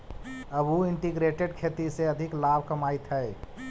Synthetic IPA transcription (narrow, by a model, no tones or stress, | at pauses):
əbuɪɳʈiɡɾeʈeɖkʰet̪iseəd̪ʱɪklabʱkəmaːit̪ɦəe